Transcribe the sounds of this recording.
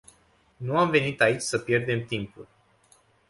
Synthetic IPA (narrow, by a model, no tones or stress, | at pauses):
nuamve̞nit̪ait͡ʃʲsəpje̞rd̪e̞mt̪impul